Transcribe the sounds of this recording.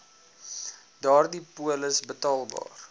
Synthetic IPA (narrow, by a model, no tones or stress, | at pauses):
dɑːrdipuələsbətɑːlˠbɑ̰ːr